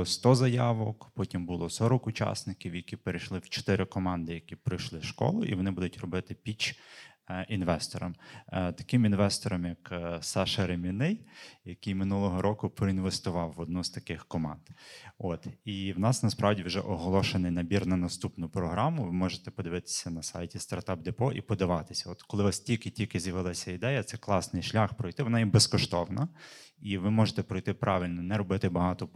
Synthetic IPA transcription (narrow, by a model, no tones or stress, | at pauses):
st̪ɔzɐjɑʋɔkpɔtʲimbʊlˠɔsɔɾɔkʊt͡ʃɑ̰snɪkʲiwjɐkʲipeɾejʃlˠɪwt͡ʃɔ̥t̪ɪɾɪkɔmɑnd̪ɪjɐkʲipɾɪjʃlˠɪʃkɔ̰lˠʊ̰ʔḭʋɔnɪbud̪ʊtʲrɔbɪt̪ɪpʲid͡ʒ | inʋɛst̪ɔɾɔmt̪ɐ̥kɪminʋɛst̪ɔɾɔmjɐksɛʃɐɾemʲinɪjjɐkʲijmɪnulˠɔɦɔɾʔɔkʊpɾɔinʋest̪ʊʋɑwːɔd̪nuz̥t̪ɐkɪxkɔmɑ̰nd̪ot̪iwnɑsnɐspɾɑʋdʲiwʒɛ̰ʔɔɦɔlˠɔʃenɪjnɐbʲirnɐnɐst̪upnʊpɾɔɦɾɑmʊʋɪmɔʒet̪ɛpɔd̪ɪʋɪt̪ɪ̥sʲɐnɐsɑ̰jtʲist̪ɐrt̪ɑp̚d̪ɛpɔʔipɔd̪ɐʋɑt̪ɪ̥sʲɐɔt̪kɔlˠɪʋɑstʲilʲkɪtʲilʲkɪzjɐʋɪlˠɑsʲɐid̪ɛjɐt̪sɛklˠɑsnɪjʃlʲaxpɾɔjt̪ɪʋɔnɑjibɛskɔʃt̪ɔwnɐ | iʋɪmɔʒet̪ɛpɾɔjt̪ɪpɾʔɑʋʲɪlʲnɔnɛɾɔbɪt̪ɪbɐɦɑt̪ɔ